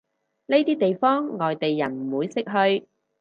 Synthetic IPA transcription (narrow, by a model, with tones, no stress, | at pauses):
ne˥jt̪iː˥t̪e˨jfɔː˥ŋːɔː˨jt̪e˨jːɐ˨˩nm̩˨˩wuː˨˧jsɪ˥k̚ɦɵ˧ɥ